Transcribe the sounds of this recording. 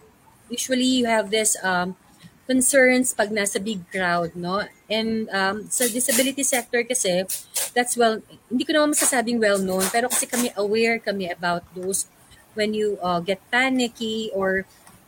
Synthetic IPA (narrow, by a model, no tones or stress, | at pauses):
juːʃuɐlijʊhɛvðɪsɐ | kɔnsɛɹnspɐɡ̚nasɐbɪɡ̚kɹawd̪̚no̞ʔɛ̃nd̪ɐmsɐd̪ɪsɐbɪlɪt̪isɛk̚t̪ɔɹkɐsɛd̪ɐt̪swɛlhɪnd̪iːkonɐmanmɐsɐsaːbɪŋwɛlnownpɛːɾokɐsɛkɐmɛʔɐwɛɹkɐmɛʔɐbawt̪̚d̪ows | wɛ̃njuʔɐɡɛt̪̚panɪkiʔɔɹ